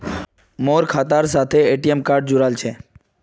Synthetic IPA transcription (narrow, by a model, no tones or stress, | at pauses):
moɾkʰat̪aɾsat̪ʰeeʈiemkaɾɖd͡ʒuɾalt͡ʃʰe